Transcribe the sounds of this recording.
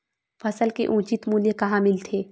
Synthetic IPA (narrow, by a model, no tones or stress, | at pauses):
fʰɐsəlkḛʔũːt͡ʃɪt̪muːljekɐɦãmɪlt̪ʰeː